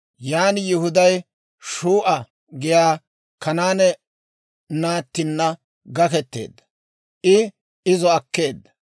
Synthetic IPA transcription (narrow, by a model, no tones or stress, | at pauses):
jaːnɪjʊhʊd̪ɐj | ʃuːʔɐ | ɡɪjaː | kɐnaːnɛ | naːt̪ːɪnːɐ | ɡɐkɛt̪ːe̞̰ːd̪ːɐ̥ | ʔɪ | ɪzɔɐkːe̞ːd̪ːɐ̥